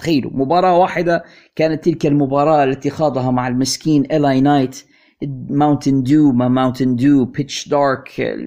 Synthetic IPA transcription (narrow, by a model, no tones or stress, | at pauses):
t̪xaːlṵmʊbɑːɾˤɑːwaːħɪd̪a | kaːnat̪ːɪlkalmʊbɑːɾˤɑːʔɪlːat̪ixɑːd̪ˤɑɦɑmaʕɪlmɪskiːnʔɪlajnajt̪ | mawnt̪ɪnd̪uːmamawnt̪ɪnd̪uːpɪt͡ʃd̪ɑːɾˤk